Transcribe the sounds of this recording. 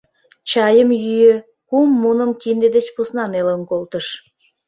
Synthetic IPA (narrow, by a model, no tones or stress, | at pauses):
t͡ɕɑjəmjyjø̆ | kumːunəmkind̪ed̪et͡ɕpusnɑnelənkolt̪əʃ